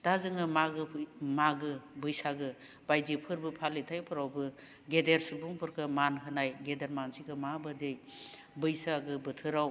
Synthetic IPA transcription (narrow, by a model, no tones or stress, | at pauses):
d̥azɯŋɯmaɡɯmaɡɯbɯjsaɡɯ | bajdipʰɯɾbɯpʰalːitʰajpʰɯɾawbɯ | ɡedeɾsubuŋpʰɯɾkʰɯmanɦɯnajɡedeɾmansiɡɯmabɯdej | bɯjsaɡɯbɯtʰɯɾaw